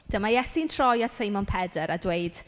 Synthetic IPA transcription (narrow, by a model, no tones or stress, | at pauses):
d̥əmajɛsintʰrɔjatsejmɔnpʰɛdəɾadwejd̥